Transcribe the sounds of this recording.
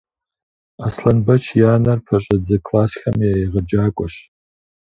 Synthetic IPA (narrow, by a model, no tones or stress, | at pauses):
aːslɐnbɐt͡ʃʰjaːnɐrpʰɐɕʼɐd͡zɐkʰlaːsxʲɐmjajiʁɐd͡ʒaːkʷʼɔɕ